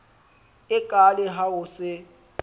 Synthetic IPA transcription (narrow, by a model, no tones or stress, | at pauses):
ɪkʼalɪɦaʊsɪ